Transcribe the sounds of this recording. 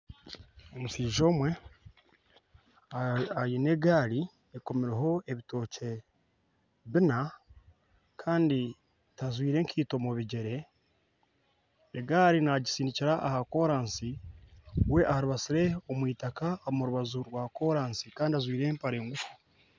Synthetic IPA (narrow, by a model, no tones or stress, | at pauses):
omusiːʒo̞ːmwe̞ | ajine̞ɡaːɾi | eko̞meɾeɦo̞e̞βito̞ːce̞ | βina | kʰaːndi | tazwiːɾe̞ːŋkʰiːto̞muβiɟe̞ɾe̞ | ɡaːɾinaɟisiːndiciɾaʔahako̞ːɾaːnsi | we̞ʔahɾuβasiɾe̞omwiːtakamuɾuβazuɾwaːko̞ːɾaːnsikaːndiazwiːɾeːmpaɾe̞ːŋɡufu̥